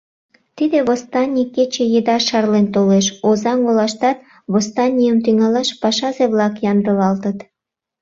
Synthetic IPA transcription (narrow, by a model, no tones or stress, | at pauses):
t̪id̪eβost̪ɑnʲikːet͡ɕejed̪ɑʃɑrlent̪oleʃozɑŋolɑʃt̪ɑt̪̚ | βost̪ɑnʲijəmt̪yŋɑlɑʃpɑʃɑzeβlɑkjɑnd̪əβɑlt̪ət̪